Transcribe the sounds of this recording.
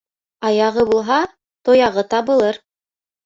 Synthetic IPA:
ɑjɑʁɤβulˠɦɑ | t̪ojɑʁɤt̪ɑβɤ̆lˠɤɾ

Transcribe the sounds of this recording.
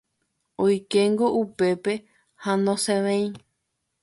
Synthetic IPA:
ojkeŋɡo̞ʔupe̞pe̞ | hãnõsẽʋẽĩ

